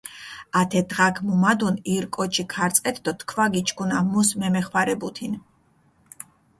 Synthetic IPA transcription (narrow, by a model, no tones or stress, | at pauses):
at̪ʰɛd̪ʁakʰmumad̪uniɾkʼɔt͡ʃʰikʰaɾt̪sʼqʼɛt̪ʰd̪ɔt̪ʰkʰvaɡit͡ʃʰʼkʰunamusmɛmɛχwaɾɛbut̪ʰin